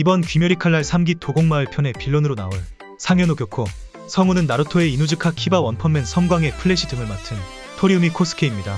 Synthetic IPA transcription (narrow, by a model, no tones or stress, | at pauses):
ibʌnkɥimjʌɾikʰaɭːaɭsʰamɡitʰoɡoŋmaɯɭpʰjʌne̞piɭːonɯɾona̰oɭ | sʰaŋjʌnokjʌkʰo | sʰʌŋunɯnːaɾotʰoe̞inud͡ʑɯkʰakʰibawʌnpʰʌmːe̞nsʰʌŋɡwaŋe̞pʰɯɭːe̞ɕʰidɯŋɯɭmatʰɯn | tʰoɾiumikʰos͈ɯ̥kʰe̞imɲida